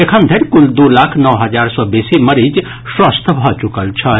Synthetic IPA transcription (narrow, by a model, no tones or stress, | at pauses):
ekʰənd̪ʱəɾʲkuld̪olakʰnəwɦəd͡ʒaɾsɔbesiməɾid͡ʒ | swast̪ʰbʱɔt͡ʃukəlt͡ʃʰə